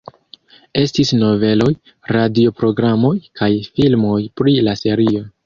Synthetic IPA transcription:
e̞stisno̞ve̞lo̞j | ɾadio̞pɾo̞ɡɾamo̞jkajfilmo̞jpɾilase̞ɾio̞

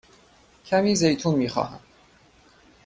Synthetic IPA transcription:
cʰæmiːzejt̪ʰuːnmiːxɒ̰ːhæ̰m

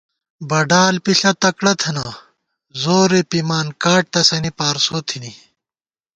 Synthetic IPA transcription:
bɐɖaːlpiɬɐt̪ɐkɽɐt̪ʰɐnɐ | zoːɾepimaːnkaːʈ̚t̪ɐsɐnipaːɾsoːt̪ʰini

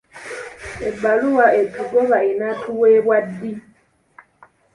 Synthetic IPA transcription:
eɡ͡baluwaetukɔβainatʰuwebwadːi

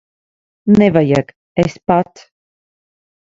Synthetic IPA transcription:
nɛvajak | ɛspat̪

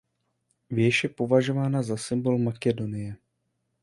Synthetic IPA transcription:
vjɛʃjɛpo̞vaʒo̞vaːnazasɪmbo̞lmakɛdo̞nɪjɛ

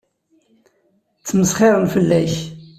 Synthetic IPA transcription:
t͡sːməsχɪɾˤənfəlːæç

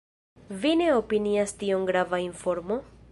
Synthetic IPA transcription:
vine̞opiniastioŋɡɾavaiɱfo̞ɾmo

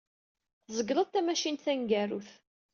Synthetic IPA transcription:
θzˤəɡɾˤəðt̪ːæmæʃint̪θæŋɡæruθ

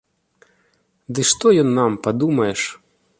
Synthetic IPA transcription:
d̪ɨʂt̪ɔjɔnːampɐd̪umɐjɛʂ

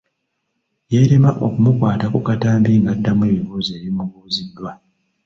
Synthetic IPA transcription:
je̞ɾemaʔo̞̰kumukwaːtakukataːmbiːŋɡadːamwe̞ːβiβuːze̞ːβimuɡuːzidːwa

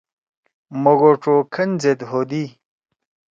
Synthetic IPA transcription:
moɡoʈ͡ʂokʰɐnzed̪ɦod̪i

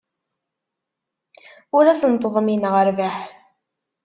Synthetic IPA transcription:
ʊɾæsənt̪əðˤminʁəɾvaħ

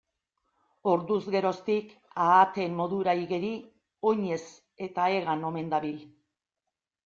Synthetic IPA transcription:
o̞ɾd̪uzɣe̞ɾo̞st̪ikaːt̪e̞mmo̞ðuɾaiɣe̞ɾi | o̞ɲe̞s | e̞t̪aeɣano̞me̞nd̪aβil

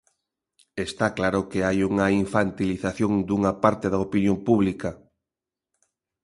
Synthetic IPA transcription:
est̪aklaɾʊkeajuŋɐiɱfant̪iliθaθjoŋd̪uŋɐpaɾt̪eðɐopinjompuβlikɐ

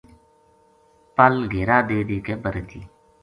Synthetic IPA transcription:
pəlɡʱeːɾaːd̪eːd̪iːkeːbəɾd̪ḭː

